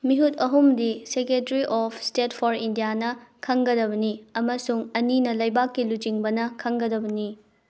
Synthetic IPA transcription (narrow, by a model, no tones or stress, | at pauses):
miɦutɐɦumdisekɾetɾiʔɔpʰstet̚pʰoɾindijanɐkʰɐŋɡɐdɐbɐniɐmɐsuŋɐninɐlɐjbakːilut͡ʃiŋbɐnɐkʰɐŋɡɐdɐbɐni